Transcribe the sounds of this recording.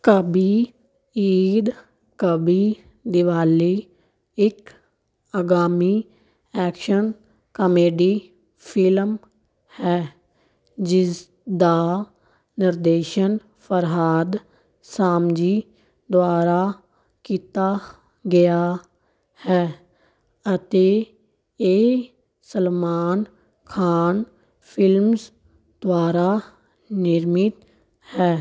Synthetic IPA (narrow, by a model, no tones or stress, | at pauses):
kəbiː | iːd̪ | kəbiː | d̪ɪʋaːliː | ɪk | əɡaːmiː | ɛːkʃən | kəmeːɖiː | pʰɪlm | hɛː | d͡ʒɪs | d̪aː | nɪɾd̪eːʃən | pʰəɾɦaːd̪ | saːmd͡ʒiː | d̪ʊwaːɾaː | kiːt̪aː | ɡɪjaː | hɛː | ət̪eː | eː | səlmaːn | kʰaːn | pʰɪlms | d̪̥ʊwaːɾaː | nɪɾmɪt̪ | hɛː